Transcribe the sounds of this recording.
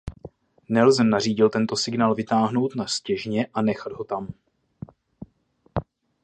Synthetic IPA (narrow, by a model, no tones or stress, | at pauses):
nɛlzɛnariːɟɪlt̪ɛnt̪o̞sɪɡnaːlvɪt̪aːɦno̞wt̪nascɛʒɲɛʔanɛxad̪ɦo̞t̪am